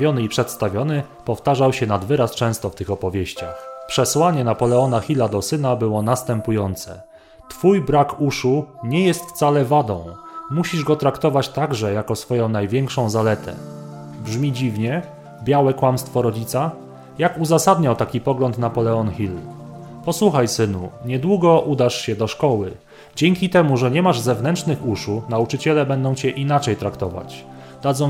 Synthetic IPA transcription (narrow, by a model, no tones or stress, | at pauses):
jɔnɘipʂɛt̪st̪avʲjɔnɘ | pɔft̪aʐawɕɛnad̪vɘɾast͡ʂɛ̃w̃st̪ɔft̪ɘxɔpɔvʲjeɕt͡ɕa̰xpʂɛswaɲɛnapɔlɛɔnaxʲilad̪ɔsɘnabɘwɔnast̪ɛmpujɔnt̪sɛ̰ | t̪fujbɾakuʂuɲɛjɛst̪ft̪salɛvad̪ɔ̃w̃muɕiʐɡɔt̪ɾakt̪ɔvat͡ɕt̪aɡʐɛjakɔsfɔjɔ̃w̃najvʲjɛŋkʂɔ̃w̃zalɛt̪ʰɛ̰ | bʐmʲid͡ʑivɲɛ | bʲjawɛkwamst̪fɔɾɔd͡ʑit̪sa | jakuzasad̪ɲawt̪akʲipɔɡlɔnt̪napɔlɛɔnxʲil | pɔswuxajsɘnṵɲɛd̪wuɡɔʔud̪aʂɕɛd̪ɔʂkɔwɘ | d͡ʑɛŋʲkʲit̪ɛmuʐɛɲɛmaʐzɛvnɛntt͡ʂʂnɘxuʂunaut͡ʂɘt͡ɕɛlɛbɛnd̪ɔ̃w̃t͡ɕɛʔinat͡ʂɛjt̪ɾakt̪ɔva̰t͡ɕ | d̪̥ad̪zɔ̃w̃